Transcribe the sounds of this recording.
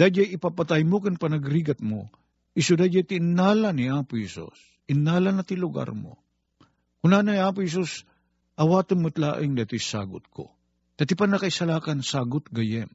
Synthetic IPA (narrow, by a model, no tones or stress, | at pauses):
d̪̥ad͡ʒajɪpapɐt̪ajmokɪnpɐnɐɡɾiːɡɐt̪̚mo̰ | ʔɪsud̪ad͡ʒajt̪ɪnːaːlaniaːpʊhɛsṵs | ɪnːaːlɐnɐt̪ilʊɡa̰ɾmo̰ | kʊnaːnaaːp̬ʊhɛs̬us | ʔɐwaːt̪ɪnmʊt̪la̰ːʔɪŋd̪ɐt̪ijsa̰ːɡʊ̰t̪̚kʰo̰ | t̪ɐt̪ɪipanɐkɐɪsɐlaːkɐnsaːɡʊt̪̚ɡɐjɛn